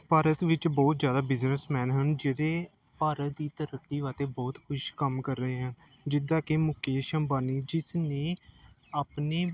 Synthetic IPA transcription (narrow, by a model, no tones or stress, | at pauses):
paːɾət̪ʋɪt͡ʃbɔːt̪d͡ʒjaːd̪aːbɪznəsmɛːnɦənd͡ʒeːɾeː | paːɾət̪d̪iːt̪əɾəkːiːʋaːt̪eːbɔːt̪kʰʊʃkəmkəɾːəɦeːɦən | d͡ʒɪd̪ãːkeːmʊkeːʃəmbaːniːd͡ʒɪsneː | aːpneː